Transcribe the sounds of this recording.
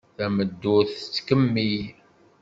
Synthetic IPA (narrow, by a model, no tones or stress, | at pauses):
θæməd̪ːʊθt͡sːkəmːij